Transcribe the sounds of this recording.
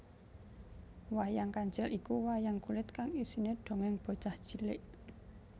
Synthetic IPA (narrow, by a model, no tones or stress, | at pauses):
wajaŋkaɲd͡ʒɛlʔikuwajaŋkulɪt̪kaŋisineɖ̥o̤ŋɛŋb̥o̤̥ʒ̥ahd̥ʒ̥i̤lɪ̰ʔ